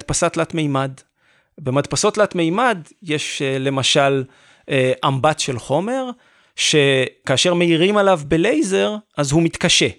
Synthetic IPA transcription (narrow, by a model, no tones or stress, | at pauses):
d̚pasatlatmejmad | be̞madpaso̞tlatme̞jmadjeʃle̞maʃal | ʔambatʃe̞lχo̞me̞ʁ | ʃe̞kaːʃe̞ʁme̞iʁimalavbe̞le̞jze̞ʁʔazhumit̪kaʃe̞